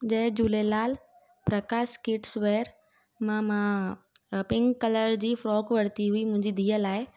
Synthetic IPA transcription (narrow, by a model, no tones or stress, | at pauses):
d͡ʑɐ̃ɦd͡ʑuːlelaːl | pɾɐkaːskɪʈsʋeːɾ | mãmã | pɪ̃ŋɡkːɐləɾd͡ʑiːfɾɔːkʋɐɽt̪iɦuimʊ̃ɦɪ̃ɲd͡ʑid̪ʱiːəlaːɪ